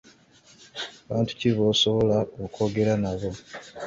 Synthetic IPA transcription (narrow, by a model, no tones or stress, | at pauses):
aβaːntu̥ciβoːsoβo̞laokʰo̞ːɡe̞ɾanaβo̞